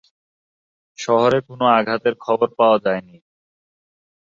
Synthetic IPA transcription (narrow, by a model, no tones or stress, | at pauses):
ʃɔɦoɾekonoaɡʱat̪eɾkʰɔboɾpaoad͡ʑaeni